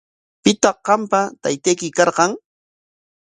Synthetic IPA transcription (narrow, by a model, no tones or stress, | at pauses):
pɪt̪ɑqqɑmpat̪ajt̪ajkɪkɑɾqɑŋ